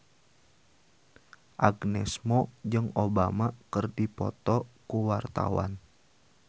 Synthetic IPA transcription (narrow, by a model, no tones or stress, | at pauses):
ʔaɡnɛsmɔd͡ʒɨŋobamakərdipɔ̰t̪ɔkuwart̪a̰wa̰n